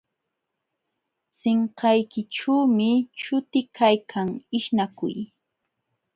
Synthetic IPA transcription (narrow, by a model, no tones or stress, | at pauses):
seɴqɑjkɪʈ͡ʂuːmɪʃʊt̪ɪkʰajkʰaŋɪʃnakʊ̰j